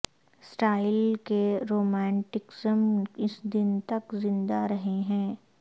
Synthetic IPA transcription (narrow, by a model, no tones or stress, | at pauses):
sʈaːɪlkeɾoːmɛ̃ːɳʈɪksəmɪsd̪ɪnt̪ɐkzɪ̃nd̪aɾɐɦeɦɛ̃ː